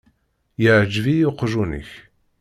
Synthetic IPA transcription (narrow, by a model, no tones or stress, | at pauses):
jəʕd͡ʒvijoqʒunə̰ç